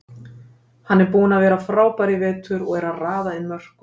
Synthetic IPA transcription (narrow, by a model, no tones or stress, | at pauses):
hanːɛɾpuːʏnavɛːɾafɾaːwpaɾɪvɛːt̪ʏɾɔɣɛɾaraːðaɪnmœr̥k